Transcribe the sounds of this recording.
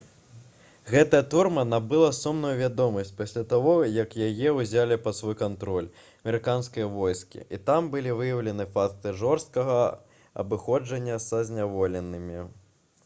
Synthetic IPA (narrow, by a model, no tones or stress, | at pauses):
ɣɛt̪ɐjɐt̪urmɐnabɨlˠɐsumnujuvʲad̪ɔmɐsʲt͡sʲpasʲlʲat̪avɔjɐkjajɛuzʲalʲipɐt̪svɔjkant̪ɾɔlʲ | ɐmʲɛɾɨkanskɐjɐvɔjskʲḭit̪ambɨlʲivɨjɐwlʲɛnɨfak̚t̪ɨʐɔrst̪̚kɐɣɐ | ɐ̰bɨxɔd͡ʐɐnʲːɐsɐzʲnʲavɔlʲɛnːɨmʲi